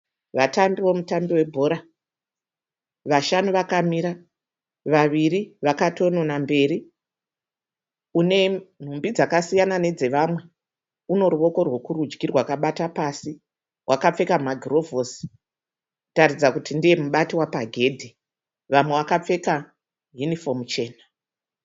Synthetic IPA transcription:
ʋatambiʋo̞mutambiwe̞bʱo̞ːɾa | ʋaʃanuʋakamiɾa | ʋaʋiɾiʋakato̞no̞nambe̞ːɾi | une̞n̤umbid͡zakasijanane̞d͡ze̞ʋamwe̞ | uno̞ɾuʋo̞ko̞rwo̞kuɾud͡ʒɡirwakaɓatapasi | wʔakap͡fe̞kamaɡʱiro̞vosi̥ | ku̥tarid͡zakutindije̞muɓatiwapaɡʱe̞ːdʱi | ʋamwe̞ʋakap͡fe̞ka | junifo̞mt͡ʃe̞ːna

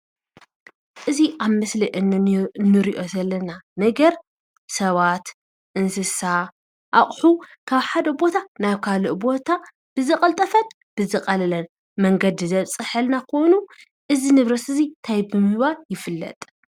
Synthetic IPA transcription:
ʔɨziʔaβmɨsliʔɨnnɨɾiʔo̞zɐlːɐnanɐɡɐɾ | sɐβat̪ | ʔɨnsɨsa | ʔaχʼħukʰaβħad̪ɐbo̞t̪ʰanaβkʰaloʔbo̞t̪ʰa | b̥ɨzɨkʼɐlt̪ʼɐfɐt̪ | b̥ɨzɨqʼɐlɐlɐn | mɐŋɡɐd̪ɨzɐβsʼɨħɨlnakʰo̞jnu | ʔɨzinɨβɾɐsɨzit̪ʰajbɨmɨhβaljɪfɨlːɐ̰t̪ʼ

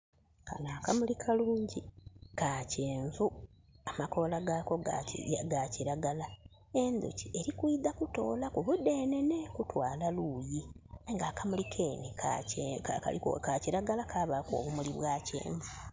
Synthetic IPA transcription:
kanaːkamulikʰaluːɲɟikaceːɱvu | amako̞laɡaːko̞ɡaɡaciɾaɡala | e̞nd̪ṵcie̞ɾikwiːdakuto̞̰ːlakuβude̞ːnenekutwaːlaluːjiajiŋɡaːkamulikʰeːnekʰaaka̰lḭkaciɾaɡalakaβako̰ːβumuliβwaːcḛːɱvu

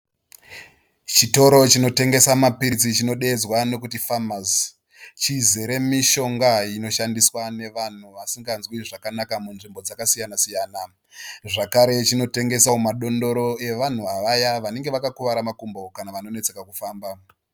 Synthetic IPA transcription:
t͡ʃito̞ɾo̞t͡ʃino̞te̞ŋɡe̞samapiɾit͡sit͡ʃino̞ɗe̞ːd͡zwano̞kutifamaz | t͡ʃizeɾe̞miʃo̞ŋɡaino̞ʃandiswane̞ʋan̤uʋasiŋɡanzwiʐakanakamunʐimbo̞d͡zakasijanasijaːna | ʐakaɾe̞t͡ʃino̞te̞ŋɡe̞saumaɗo̞ndo̞ɾo̞e̞ʋan̤uaʋajaʋane̞ŋɡe̞ʋakakuʋaɾamakumbo̞kanaʋano̞ne̞t͡se̞kakufaːmba

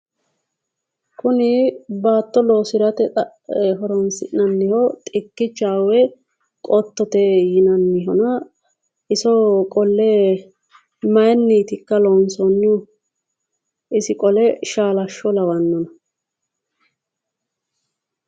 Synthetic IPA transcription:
kʰʊnɪbaːt̪ːɔloːsɪɾɐt̪ɛɐ | ɦɔɾɔnsɪ̰ʔnɐnːɪhɔt̪ʼɪkːɪt͡ʃːaːwɛ | kʼɔt̪ːɔt̪ɛjɪnɐnːɪɦɔnɐ | ʔɪsɔkʼɔlːɛ | mɐjɛnːiːt̪ɪkːɐlɔnsɔnːɪʊ | ɪsɪkʼɔlɛʃaːlɐʃːɔlɐwɐnːɔnɐ

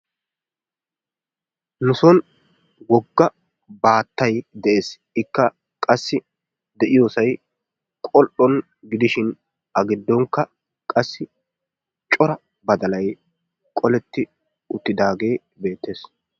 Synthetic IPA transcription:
nʊsɔn | wɔɡːɐ | baːt̪ːɐjd̪ɛʔe̞ːs | ɪkːɐ | kʼɐsːɪ | d̪ɛʔɪjoːsɐj | kʼɔʔɔn | ɡɪd̪ɪʃɪn | ɐɡɪd̪ːɔŋkːɐ | kʼɐsːɪ | t͡ʃʼɔɾɐ | bɐd̪ɐlɐj | kʼɔlɛt̪ːɪ | ʊt̪ːɪd̪aːɡe̞ː | be̞ːt̪ːe̞ːs

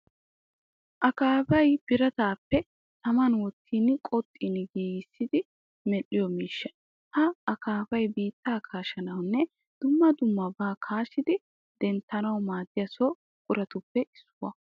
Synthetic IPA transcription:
ʔɐkaːfɐjb̥ɪɾɐt̪aːpːɛ | t̪ɐmɐnwɔt̪ʰːiːnkʼɔt̪ʼːɪnɡeːjɪsːɪd̪ɪ | mɛlːɪjɔmiːʃːɐ | hɐɐkaːfɐjbiːt̪ːaːkʰaːʃɐnɐwnːɛ | d̪̥ʊmːɐd̪ʊmːɐbaːkʰaːʃɪd̪ɪ | d̪̥ɛnt̪ːɐnɐwmaːd̪ɪjɐsɔ | kʼʊɾɐt̪ʊpːɛʔɪsːʊwɐ̰

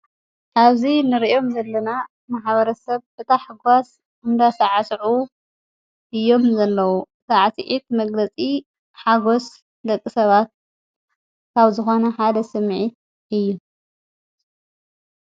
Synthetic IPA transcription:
ʔaβzinɨɾiʔo̞mzɐlːɐna | maħβɐɾɐsɐβbɨt̪ʰaħɨɡas | ɨmd̪asaʕasʕu | ʔɨjːo̞mzɐlːɐwuɨsaʕsʕit̪̚mɐɡlɐt͡sʼi | ħaɡo̞s | d̪ɐkʼːisɐβat̪̚ | kʰaβzɨxo̞nɐħad̪ɐsɨmʕit̪̚ | ɨjːu

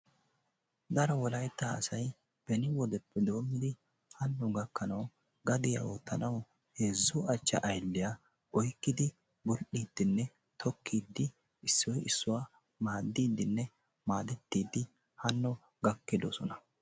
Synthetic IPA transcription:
d̪ɐɾɔwɔlɐjt̪ːaɐ̰sɐj | b̥ɛnɪwɔd̪ɛpʰːɛd̪o̞ːmɪd̪ɪ | hɐnːɔɡɐkːɐnɐw | ɡɐd̪ɪja̰oːt̪ːɐnɐw | heːzːʊɐt͡ʃːɐ̰ʔɐjlːɪja | ʔɔjkːɪd̪ɪ | bʊlɗiːd̪̥ːɪnːɛ | t̪ʰɔkʰːiːd̪ːɪ | ɪsːɔjɪsːʊwaː | maːd̪ːiːd̪ːɪnːɛ | maːd̪ɛt̪ːiːd̪ːɪ | hɐnːɔ | ɡɐkːɪd̪ɔsɔnɐ

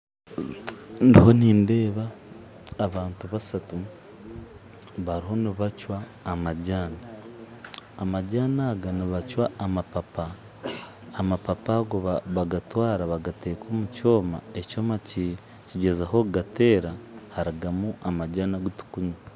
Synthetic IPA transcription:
ndiho̞niːnde̞ːβaː | βaːntuβasatu | βaɾiɦo̞niβacwaː | maɟaːnaː | maɟaːnaːɡaniβacwaːmapapaː | mapapaɡoβaβaɡatwaːɾaβaɡate̞ːkʰo̞ːmuco̞ːma̰eco̞ːmaci | ciɟe̞zaɦo̞ɡate̞ːɾahaɾiɡamuʔamaɟaːnaɡutu̥kuɲa

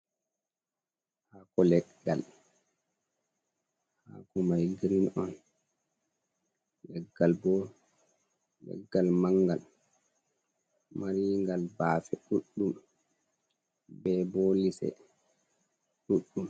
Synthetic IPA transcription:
hakɔlɛɡːa̰l | hakɔmajɡɾinɔn | lɛɡːalbɔ | lɛ̰ɡːalmaŋɡal | maɾiŋɡalbaːfɛɗuɗːum | bɛbolisɛ̰ | ɗuɗːum

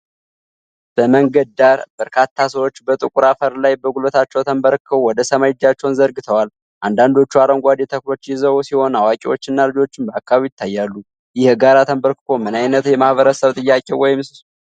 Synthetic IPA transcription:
b̥əməŋɡəd̪d̪aɾb̥əɾkʰat̪ʰːasəwo̞t͡ʃːbət̪ʼɨkʼuɾafəɾlajbəɡulət̪ʰat͡ʃːɛwt̪ʰəmbəɾkʰːəwwɔd̪əsəmajɪd͡ʒat͡ʃːɛwnzəɾɡɨt̪ʰəwal | ʔand̪and̪o̞t͡ʃːuaɾəŋɡʷad̪jɛt̪ʰəkɾo̞t͡ʃːjɪzəwsiho̞nawakʼewo̞t͡ʃːɪnːalɨd͡ʒo̞t͡ʃːɪmbəakːaβijɪt̪ʰːajːalːu | jɪhɡaɾat̪ʰəmbəɾkɨkʰo̞mɨnajnət̪jɛmahβəɾəsəβt̪ʼɨjːakʼewɔjɪms

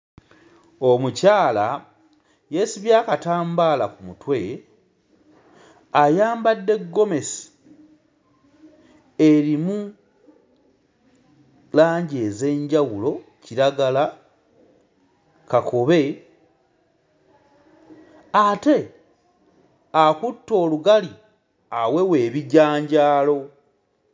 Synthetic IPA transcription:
omucaːla | je̞siβjaːkataːmbalakumutwe̞ | ajaːmbadːe̞ɡːo̞me̞si̥ | e̞ɾimu | laːɲɟe̞ːze̞ːɲɟawulo̞ciɾaɡala | kakʰo̞βe̞ | ate̞ | akutːo̞ːluɡali | awe̞we̞ːβiɟaːɲɟaːlo̞

